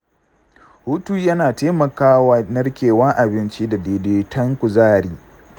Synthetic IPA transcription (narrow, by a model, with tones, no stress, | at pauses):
hu˦tuː˦jɐ˦naː˨teː˦mɐ˨kaː˦waː˦nɐ˦rkʲeː˨wɐ˦ŋʔa˨bɪ˦nt͡ʃi˦da˨deː˨deː˦tɐ˦ŋkʷʊ˨zaː˦ɽiː˦